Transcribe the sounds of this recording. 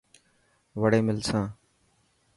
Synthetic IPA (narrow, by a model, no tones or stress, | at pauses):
ʋəɽeːmɪlsãː